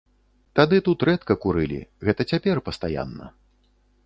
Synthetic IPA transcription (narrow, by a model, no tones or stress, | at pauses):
t̪ad̪ɨt̪ut̪ɾɛt̪kɐkuɾɨlʲḭɣɛt̪ɐt͡sʲapʲɛrpɐst̪aja̰nːɐ̰